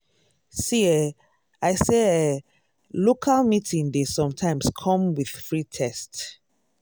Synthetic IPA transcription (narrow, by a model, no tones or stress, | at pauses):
siɛ | aɪse | lokʰalmitʰĩŋdesɔ̃mtʰãɪ̃mskʰɔ̃mwið̥fɹitʰɛst